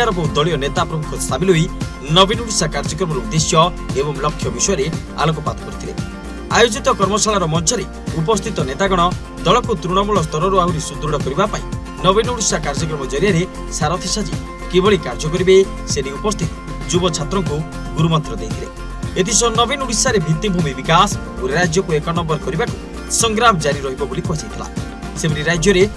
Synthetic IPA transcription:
aɾɔbɔud̪ɔɭijɔnet̪apɾɔmukʰɔst̪ʰamilɦoi | nɔbinuɽisakaɾd͡ʒɔkɾɔmɔɾeud̪esjɔ | ebɔŋlɔkʰːjɔbisɔjɔɾe | a̰lok̬ɔpat̪ʰɔ̥kɔɾit̪ʰile | ajod͡ʒit̪ɔkɔɾmɔsaɭaɾɔmɔnt͡ʃʰɔɾe | up̬ɔs̬t̪ʰit̪ɔnet̪aɡɔɽ̃ɔ | d̪ɔɭɔkut̪ɾuɽ̃ɔmuɭɔs̬t̪ʰɔɾɔɾuawɾisud̪ɾuɽɔkɔɾibapaḭ̃ | nɔbinuɽisakaɾd͡ʒɔkɾɔmɔd͡ʒɔɾijaɾe | saɾɔt̪ʰisad͡ʒḭ | kibɔɭikaɾd͡ʒɔk̬ɔɾibe | seɽiupɔst̪ʰit̪ɔ̥ | d͡ʒubɔt͡ʃʰat̪ɾɔŋku | ɡuɾumɔnt̪ɾɔd̪ḛjt̪ʰile | et̪ʰisɔnɔbinuɽisaɾebʱit̪ibʱumibikas | uɾeɾad͡ʒjɔkuekɔnɔmbɔɾkɔɾibaku̥ | sɔŋɡɾamɔd͡ʒaɾiɾɔɦibɔbolikɔsit̪ʰila̰ | sebɔɾiɾad͡ʒjɔɾe

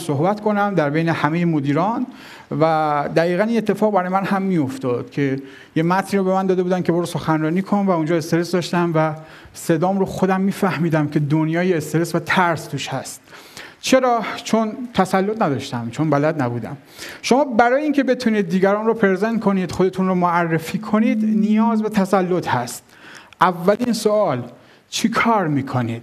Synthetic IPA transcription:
sohbæt̪kʰo̞næmd̪æɾbe̞jne̞hæmejemod̪iːɾɒn | væd̪æɣiːɣæniːne̞t̪ːe̞fɒːɣbæɾɒːjemænhæmːio̞ft̪ɒd̪̥cʰe̞ | jemæt̪ʰniːɾobemænd̪ɒːd̪ebuːd̪ænkʰʲeboɾoso̞xænrɒːniːkʰonvæund͡ʒɒːe̞st̪eɾesd̪ɒːʃt̪æmvæ | se̞d̪ɒːmɾoxod̪æmːiːfæhmiːd̪æmkʲʰed̪onjɒːjeːst̪e̞ɾesvæt̪ʰæɾst̪ʰuːʃhæst̪̚ | t͡ʃʰe̞ɾɒːt͡ʃʰont̪ʰæsælːot̪ʰnæd̪ɒʃt̪æmt͡ʃʰonbælæd̪næbuːd̪æ̰m | ʃo̞mɒːbæɾɒːjeiːŋcʲʰe̞be̞t̪ʰuniːd̪ːiːɡæɾɒːnropʰe̞ɾzent̪̚kʰo̞niːd̪̥xod̪e̞t̪ʰunromoærːefiːkʰo̞niːd̪nijɒːzbe̞t̪ʰæsælːot̪ʰhæst̪̚ | ʔævːælinsoɒːl | t͡ʃʰikʰɒːɾmiːkʰoniːd̪̥

